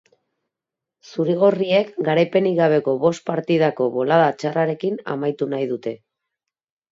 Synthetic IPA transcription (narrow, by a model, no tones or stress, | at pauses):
suɾiɣ̞orie̞kɡaɾajpe̞niɣaβ̞e̞ko̞βo̞st̪̚paɾt̪iðako̞βo̞laðat͡ʃaraɾe̞kina̰majt̪unajðut̪e̞